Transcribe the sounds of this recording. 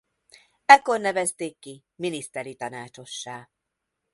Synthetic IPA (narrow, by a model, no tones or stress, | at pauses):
ɛkːornɛvɛst̪eːkːi | minist̪ɛɾit̪ɒnaːt͡ʃo̞ʃːaː